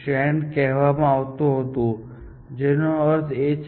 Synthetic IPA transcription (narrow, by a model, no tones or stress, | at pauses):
ʃɛɳɖkɛɦʋamãaʋt̪ũɦət̪ũ | d͡ʒenoəɾt̪ʰet͡ʃ